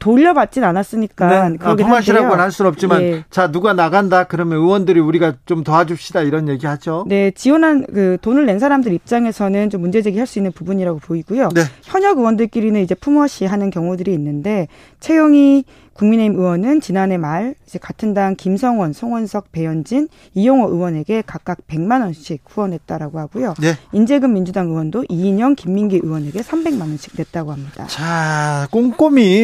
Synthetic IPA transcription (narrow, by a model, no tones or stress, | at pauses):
toʎːʌbat̚t͡ɕ͈inanas͈ɯɲik͈ankɯɾʌɡeaɕiɾaɡonhaɭs͈uʌp̚t͡ɕ͈imant͡ɕanuɡanaɡandakɯɾʌmjʌnɯwʌndɯɾiuɾiɡat͡ɕomtʌad͡ʑupɕ͈idaiɾʌnje̞ɡihad͡ʑone̞t͡ɕiwʌnɦankɯtonɯɭːe̞nsʰaɾamdɯɾip̚t͡ɕ͈aŋe̞sʰʌnɯnt͡ɕomːund͡ʑe̞d͡ʑeɡihaɭs͈uinːɯnpubuɲiɾaɡopoiɡujoneçjʌɲʌɡɯwʌndɯɭk͈iɾinɯnid͡ʑe̞pʰumʌɕʰiɦanɯnkjʌŋudɯɾiːnːɯnde̞ | t͡ɕʰe̞jʌŋi | kuŋmine̞imɯwʌnɯnt͡ɕinane̞maɭid͡ʑe̞katʰɯndaŋkimsʰʌŋwʌnsʰoŋwʌnsʰʌk̚pe̞jʌnd͡ʑin | ijoŋʌʔɯwʌne̞ɡe̞kak̚k͈ak̚pe̞ŋmanʌnɕʰiɡ̚huwʌne̞t̚t͈aɾaɡohaɡujoeind͡ʑe̞ɡɯmːind͡ʑudaŋɯwʌndoʔiːɲʌnkimːinɡiʔɯwʌne̞ɡe̞sʰambe̞ŋmanʌnɕʰi̥k̚ne̞t̚t͈aɡohamɲid̥a̰t͡ɕakoŋk͈omi